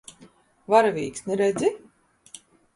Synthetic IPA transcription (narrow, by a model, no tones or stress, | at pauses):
vaɾavʲiːksneɾɛd̪zʲi